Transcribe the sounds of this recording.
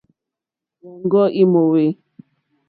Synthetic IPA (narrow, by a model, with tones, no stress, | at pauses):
wɔ˨ŋɡɔ˦ʔi˦mo˨we˦